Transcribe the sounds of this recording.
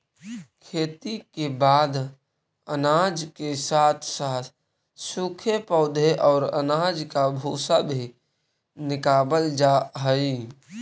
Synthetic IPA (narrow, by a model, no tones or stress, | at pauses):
kʰeːt̪ikebaːd̪ | ənad͡ʒkesaːt̪ʰsat̪ʰ | sukʰepɔʊd̪ʱeʔɔːɾə̰nad͡ʒkabʱoːsabʱi | nɪkaːbəld͡ʒaɦəi